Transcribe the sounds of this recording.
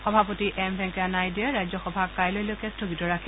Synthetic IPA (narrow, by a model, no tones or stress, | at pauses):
xɔbʱapotiʔɛmbʱɛŋkanajdiɛɹajzɔxɔbʱakajlojlojkɛstɔɡitɔɹakʰi